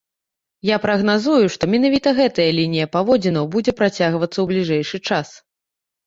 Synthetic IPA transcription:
japɾɐɣnazujuʂt̪ɔmʲɛnavʲit̪ɐɣɛt̪ɐjɐlʲinʲijɐpavɔd͡zʲinɐwbud͡zʲɛpɾat͡sʲaɣvɐt̪sːɐwblʲiʐɛjʂɨt͡ʂas

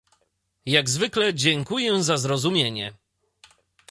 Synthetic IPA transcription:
jaɡzvɘklɛd͡ʑɛŋkujɛzazɾɔzumʲjeɲɛ

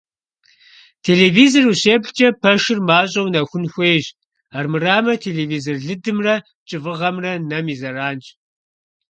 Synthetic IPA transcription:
tʰeːleːviːzoruɕeːpɬt͡ʃʼɐpʰɐʂɨrmaːɕʼɐwnɐxʷʊnxʷeːʒ | armɨraːmɐtʰeːleːviːzorɮɨdɨmrɐ | t͡ʃʼɨvɨʁɐmrɐnɐmiːzɐraːnt͡ʃʼ

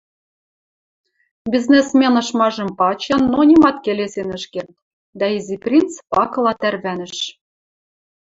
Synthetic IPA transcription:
bʲiznesmʲenɤ̆ʃmɑʒɤ̆mpɑt͡ɕɑnːonʲimɑt̪kelesenə̆ʃkert̪ | d̪æiziprʲint͡spɑkɤ̆lˠɑt̪ærβænɘ̆ʃ

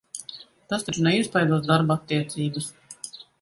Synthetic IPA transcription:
t̪asiɾnɛispajd̪uɔsd̪aɾbat̪ʲːiɛt̪sʲiːbəs

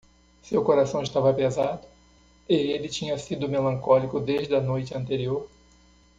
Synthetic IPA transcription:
sewkoɾasɐ̃w̃ɪʃt̪avɐpezad̪ʊ | ɪelɪt͡ʃĩɲɐsid̪ʊmelɐ̃ŋkɔlikʊd̪eʒd͡ʒɪɐnojt͡ʃɪɐ̃nt̪eɾioɾ

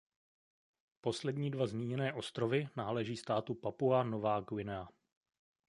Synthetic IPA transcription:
po̞slɛdɲiːdvazmiːɲɛnɛːʔo̞st̪ɾovɪnaːlɛʒiːst̪aːt̪upapuanovaːɡwɪnɛa

